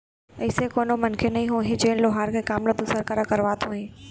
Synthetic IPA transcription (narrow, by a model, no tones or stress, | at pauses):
ɐɪsekoːnomɐnkʰenɐĩːɦoːɦɪ̃d͡ʑeːnloɦaːɾkʰeːkaːmlod̪ʊsəɾkəɾakɐɾʋaːt̪ʰõːɦĩː